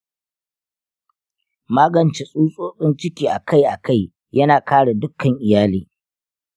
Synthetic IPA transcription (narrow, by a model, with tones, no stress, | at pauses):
maː˦ɡɐ˨nt͡ʃe˨sʼuː˦sʼoː˦sʼɪ˦nt͡ʃɪ˦kʲiː˨ʔa˨kʰa˦˨jʔa˨ka˦˨j | jɐ˦naː˨kʰaː˦ɽe˨dʊ˦kʰːɐ˨ŋʔɪ˨jaː˦liː˦